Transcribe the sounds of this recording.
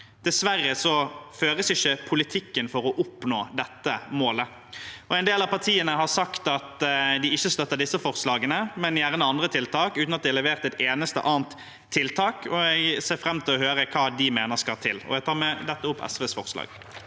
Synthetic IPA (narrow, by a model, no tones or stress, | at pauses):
d̪̥ɛsʋæɾːəsɔføːɾəsɪçːəpʰʊlɪt̪ʰɪkːənfɔɾɔʔʊpnoːd̪ɛt̪ːəmoːlə | ɔɛɪnd̪eːlɑʋpʰɑʁt̪ʰiːənəɦɑʁsɑkt̪ɑt̪d̪ɪɪçːəst̪œt̪ːəɖ̪ɪsːəfɔʁslɑːɡənəmɛnɪæʁnɑnd̪ɾət̪ʰɪlt̪ʰɑːkʉːt̪nɑt̪̚d̪ɪɛlɛʋeːʁt̪ɛt̪eːnəst̪ə̰ʔɑːnt̪ʰː | ɪlt̪ʰɑːkʰɔæɪseːɾfɾɛmːt̪ʰɪlɔhøːɾəkʰɑːd̪ɪmeːnəskɑt̪ʰɪ̰lɔ̰jæɡt̪ʰɑːɾmɛd̪ɛt̪ːəʊpːɛ̰sʋeːsfɔʁslɑ̰ːɡ̥